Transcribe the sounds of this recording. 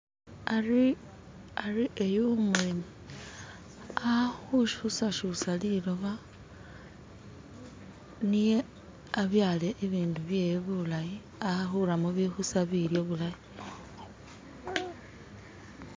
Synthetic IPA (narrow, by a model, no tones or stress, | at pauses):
a | ariʔejomulimu | ahuʃusaʃusaliloβa | nije | aβjaːleʔːβiːnduβje̞jβulaji | axuɾamuβixusaβiɾjoβulaji